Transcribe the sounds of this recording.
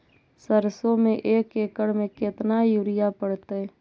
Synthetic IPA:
səɾsomẽʔeːkeːkəɽmẽkɪt̪najuːɾɪjapəɽt̪eɛː

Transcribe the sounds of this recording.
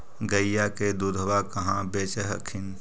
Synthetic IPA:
ɡəjjaked̪ud̪ʱʋakəɦãbeːt͡ʃəɦəkʰɪn

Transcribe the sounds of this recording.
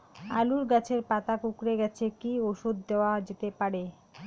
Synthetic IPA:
aluɾɡat͡ɕʰeɾpat̪akukɾeɡɛt͡ɕʰekioʃud̪̚ʱːeoad͡ʑet̪epaɾe

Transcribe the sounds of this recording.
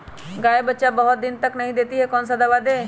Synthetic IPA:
ɡaːebətːʃabɐɦʊt̪̚d̪ɪnt̪əknɐɦĩd̪eːt̪iɦɛkɔːnsad̪ɐʋad̪eː

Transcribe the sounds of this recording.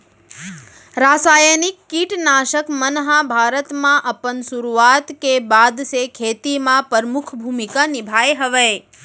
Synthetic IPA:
ɾasajənikːiʈnaʃəkmənɦãbʱaɾət̪mãʔəpənsuɾuat̪kebad̪ʃekʰet̪imãpəɾmukʰbʱumikanibʱajɦəʋe

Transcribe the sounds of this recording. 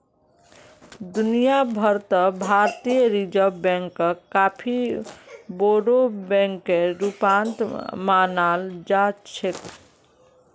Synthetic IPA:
d̪unijabʱəɾt̪əbʱaɾt̪ijəɾid͡ʒəbɛ̃ŋkːəkapʰi | boɽobɛ̃ŋkːeɾupant̪manald͡ʒat͡ʃʰek̪

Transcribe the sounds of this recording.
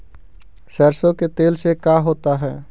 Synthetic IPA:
səɾsõket̪eːlsekaːɦoːt̪aɦɛː

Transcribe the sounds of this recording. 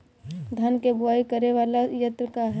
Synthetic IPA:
d̪ʱɐnkebʊaːikəɾeʋaːlajɐt̪ɾəkaɦɛ

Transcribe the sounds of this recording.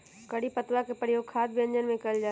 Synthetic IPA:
kəɽipət̪lakepɾəjoːɡ̚kʰaːd̪bjə̃ɲd͡ʒənmẽkəld͡ʒaː

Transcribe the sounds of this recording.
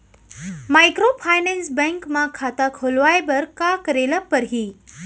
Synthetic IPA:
maːjkɾopʰaːjnɛ̃nsbɛ̃ŋkmãkʰaːt̪akʰoːlʋaːebɐɾkakəɾeləpəɾɦiː

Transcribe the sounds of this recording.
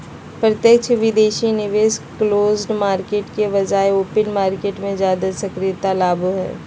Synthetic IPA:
pɾɐt̪jəkt͡ʃʰʋɪd̪eːʃinɪʋeːskloːzɖmaːɾkeːʈkeʋɐd͡ʒaːeoːpənmaːɾkeːʈmẽd͡ʒjaːd̪asɐkɾɪjt̪alaːbʱuɦɛ̰ː

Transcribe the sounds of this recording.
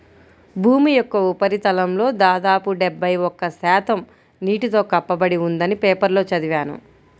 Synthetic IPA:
bʱuːmijɔkːɐupɐɾit̪ɐlɐmlo̞ːd̪aːd̪aːpuɖebːɐjɔkːɐsɛːt̪ɐm | niːʈit̪o̞ːkɐpːɐbɐɽiund̪ɐnipeːpɐɾlo̞ːt͡ʃɐd̪iʋaːnṵ

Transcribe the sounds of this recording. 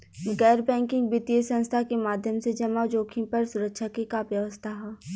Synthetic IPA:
ɡɛːɾbɛ̃ːŋkɪ̃ŋɡbɪt̪iəsə̃nst̪ʰakemaːd̪ʱjəmsed͡ʒɐmad͡ʒoːkʰĩpɐɾsʊɾəkʃʰakekaʋjəʋəst̪ʰaɦɛ

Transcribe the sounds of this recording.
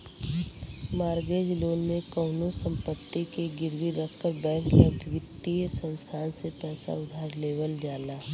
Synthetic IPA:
maːɾɡeːd͡ʒloːnmẽkɔːnusə̃mpət̪ːikeɡɪɾʋiɾəkʰkəɾbɛːŋkləbʱʋɪt̪ːijəsə̃nst̪ʰaːnsepɛːsa̰ʊd̪ʱaːɾleːʋəld͡ʒaːlaː

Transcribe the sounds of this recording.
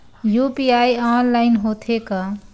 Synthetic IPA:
jupiajaːnlaɪnɦot̪ʰeka

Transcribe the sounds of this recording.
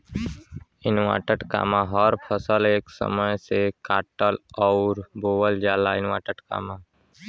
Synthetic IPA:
ɪnwa̰ːʈəʈka̰ːmãɦəɾpʰəsəleːksə̰məjsekaːʈəlɔʊɾboːwəld͡ʒaːlaɪnwa̰ːʈəʈka̰ːmãː

